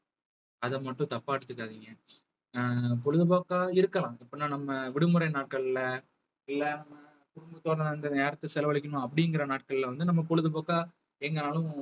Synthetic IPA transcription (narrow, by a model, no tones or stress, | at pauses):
ɐðɐmɐʈːʊ̃t̪ɐpːaːɛɽɯt̪ːɯkːaːðiŋɡɐ | pɔɭɯðɯpoːkːaːɪɾɯkːɐlãːɪpːoːnãːnɐmːɐʋɪɽɯmɯɾɐɪnaːʈ̚kɐɭlɐ | ɪlːɐnɐmːɐ | kʊɽʊmbɐt̪ːoːɾɐnd̪ɐneːɾɐt̪ːɯsɛlɐʋɐɭɪk̬ʲːɐɳʊ̃ɐpːɐɽɪŋɡɪɾɐnaːʈ̚kɐɭlɐʋɐnd̪ɯnɐmːɐpɔɻɯðɯpoːkːaː | ɛŋɡɐnaːlʊ̃